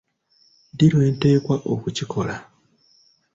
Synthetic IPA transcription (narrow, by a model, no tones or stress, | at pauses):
diɾwe̞ːnte̞ːkwaʔokucikʰo̞la